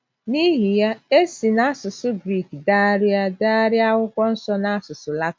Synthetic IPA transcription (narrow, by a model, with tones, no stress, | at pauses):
ni˦ɦi˨ja˦e˦si˨na˦a˦sʊ˨sʊ˦ɡɾi˦˨kdaː˦ɾɪ˦a˦daː˦ɾɪ˦a˦ɦʊ˦kʷɔ˦n̩˦sɔ˦na˦a˦sʊ˨sʊ˨la˦t